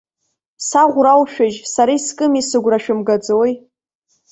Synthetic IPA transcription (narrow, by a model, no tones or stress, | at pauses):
saʁʷrawʃᶣaʒsaɾajskʼɨmisɨɡʷraʃᶣʊmɡad͡zowej